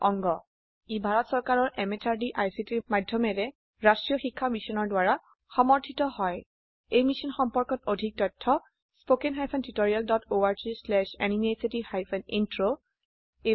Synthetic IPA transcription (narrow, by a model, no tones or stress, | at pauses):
ɔŋɡɔ | ibʱaɹɔtsɔɹkaɹɔɹʔɛmetʰaɹdiʔajsitiɹmadʱjɔmɛɹɛ | ɹastɹijɔxikʰːamisɔnɔɹdwaɹa | xɔmɔɹtʰitɔhɔj | ejmisinxɔmpɔɹkɔtodʱik̚tɔjtʰːɔ | spokɛnɦajpʰɛntitoɹialdɔtoaɹzislɛʃaninesitihajpʰɛnintɹo | e